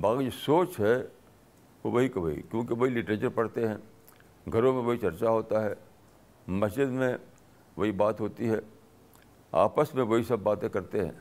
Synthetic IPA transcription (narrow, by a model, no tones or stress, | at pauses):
baːkid͡ʒosoːt͡ʃɦɛ | ʋoʋɐɦikɐʋɐɦḭkjõːkeʋɐɦilɪʈɾeːt͡ʃəɾpɐɽt̪eɦɛ̃ː | ɡʱɐɾõmẽʋɐɦit͡ʃɐɾt͡ʃaɦoːt̪aɦɛː | mɐsd͡ʒɪd̪mẽ | ʋɐɦibaːt̪ɦoːt̪iɦɛː | a̰ːpəsmẽʋɐɦisɐbːaːt̪ẽkɐɾt̪eɦɛ̰̃ː